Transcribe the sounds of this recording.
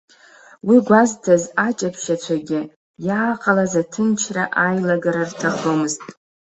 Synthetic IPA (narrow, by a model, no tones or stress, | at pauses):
wiɡʷaztʰazat͡ʃʼapʰʃat͡ɕʷʰaɡʲɪ | jaːqʼalazatʰɨnt͡ʃʰraʔajlaɡaɾartʰaχomɨztʼ